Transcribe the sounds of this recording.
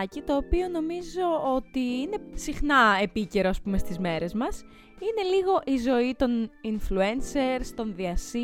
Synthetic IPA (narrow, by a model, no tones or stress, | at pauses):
cit̪o̞ːpio̞no̞mizo̞ot̪iine̞sixnɐe̞pice̞ɾo̞ɐspume̞st̪izme̞ɾe̞zmɐs | ine̞liɣo̞ʔizo̞it̪o̞ninflue̞nse̞ɾst̪o̞nðiɐsi